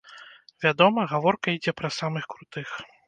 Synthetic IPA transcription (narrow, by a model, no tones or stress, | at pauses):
vʲad̪ɔmɐɣavɔrkɐid͡zʲɛpɾɐsamɨxkɾut̪ɨx